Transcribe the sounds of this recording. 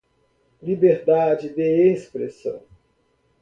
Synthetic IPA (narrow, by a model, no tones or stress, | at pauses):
libeɾd̪ad͡ʒɪd̪eespɾesɐ̰̃w̃